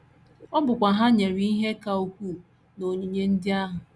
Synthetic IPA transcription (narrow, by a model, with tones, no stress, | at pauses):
ɔ˦bʊ˨kʷa˨ɦa˦ɲe˨ɾi˦i˦ɦe˦ka˨o˨kʷu˦ | no˨ɲu˨ɲe˦n̩˦dɪ˦a˦ɦʊ˨